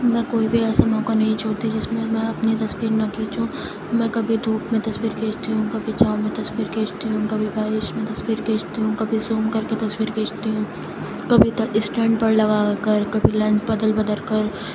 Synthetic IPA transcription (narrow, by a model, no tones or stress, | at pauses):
mɛ̃koːibʱiɛːsamɔ̃ːkanɐɦĩt͡ʃʰoːɽt̪id͡ʒɪsmẽmɛ̃ɐpnit̪ɐswiːɾnɐkiːt͡ʃũ | mɛ̃ːkɐbʱid̪ʱuːkmẽt̪ɐswiːɾkeːt͡ʃt̪iɦũkɐbʱit͡ʃaːomẽt̪ɐswiːɾkeːt͡ʃt̪iɦũkɐbʱibʱaːɾɪʃmẽt̪ɐsʋiːɾkeːt͡ʃt̪iɦũkɐbʱizoːmkɐɾket̪ɐswiːɾkeːt͡ʃt̪iɦũ | kɐbʱit̪ɐɪsʈɛ̃ːɳɖpɐɾlɐɡaːkɐɾkɐbʱilɛ̃ːɲt͡ʃbɐd̪əlbɐd̪əɾkɐɾ